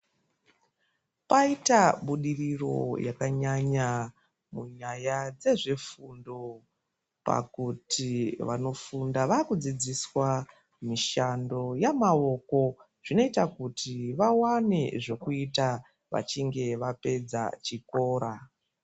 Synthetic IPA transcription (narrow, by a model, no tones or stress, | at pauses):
paitaɓuɗiriro̞̰jakaɲaɲa | muɲajad͡ze̞ʐe̞fundo̞ | pa̰kutʰiʋano̞fundaʋaːkud͡zid͡ziswa | miʃando̞jamao̞ko̞ | ʐ̥ino̞itakutʰiʋawane̞ʐo̞kuita | ʋa̰t͡ʃiŋɡe̞ʋape̞d͡za̰t͡ʃiko̞ːɾa